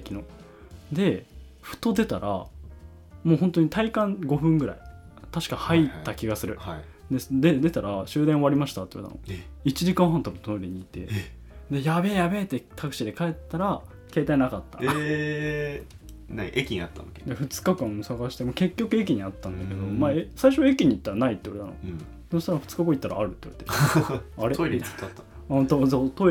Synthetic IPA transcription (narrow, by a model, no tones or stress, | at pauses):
ekʲino | d̪e̞ | ɸɯ̟̥t̪o̞d̪e̞t̪aɾʔa̰ | mo̞ːhõ̞nt̪oɲ̟it̪ʰaikãŋɡo̞ɸɯ̟̃ŋɡɯ̟ɾa̰it̪aɕi̥kahait̪akʲiɡasɨɾɯ̟ai | d̪e̞sd̪ed̪e̞t̪aɾaɕɨːd̪ẽɰ̃oaɾʲimaɕi̥t̪at̪ːejo̰t̪a̰no̰it͡ɕiʑikãɰ̃ɦãnt̪amot̪oɾʲiɲ̟iːt̪e̞̰ | d̪e̞jabe̞jabe̞t̪ːet̪ʰakɯ̟ɕid̪e̞kae̞t̪ːaɾa | ke̞ːt̪ainakat̪ːa̰e | naiʔekʲiɲiat̪ːa̰noked̪eɸɯ̟t͡sɨ̥kakãɰ̃saɡaɕi̥t̪emoke̞kʲːo̞kɯ̟e̞k̬ʲiɲ̟iat̪ːãnd̪ake̞d̪o̞maesaiɕoekʲiɲ̟it̪ːaɾanait̪ːejaɾet̪a̰no̰ | sonoɕt̪aɾɸɯ̟t͡sɨ̥kakõit̪ːaɾa̰ːɾɯ̟t̪ːejo̰ɾet̪eaɾeoiɾa | ɯ̃t̪osot̪o